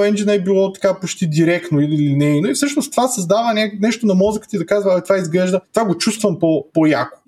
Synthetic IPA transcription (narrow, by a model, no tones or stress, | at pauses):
ɛnd͡ʒinɛbilˠɔt̪ɐ̥kapot͡ʃt̪id̪ʲiɾɛkt̪noililinɛnɐifsɤʃnost̪vasɐzd̪avənʲaknɛʃt̪onɐmɔzəkə̥t̪id̪ɐkazvɐɐit̪vaizɡlɛʒd̪ət̪ovaɡot͡ʃust̪vɐmpopojako̥